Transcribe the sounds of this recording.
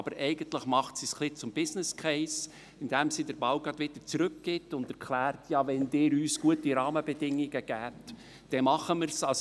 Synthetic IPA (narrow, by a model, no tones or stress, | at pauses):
ɑbəɾʔɛɪɡəntləχmɑχtsisχlɪt͡sʊmb̥ɪsnɪskʰɛɪs | ɪndɛmsidəɾbɑʊɡɾɑd̥̪ʋɪd̥̪əɾt͡sɾʏkɡ̥ɪtʊnd̥̪ɛɾkχlæːɾtʰjɑvɛndɪːɾyːsɡ̥uətiɾɑːməbɛdɪŋːiɡ̥əɡ̥æːt | d̥ɛmɑχəməɾsɑs